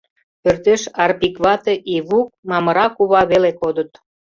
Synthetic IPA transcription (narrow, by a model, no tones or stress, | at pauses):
pørt̪eʃɑrpikβɑt̪eʔiβuk̚mɑməɾɑkuβɑβelekod̪ət̪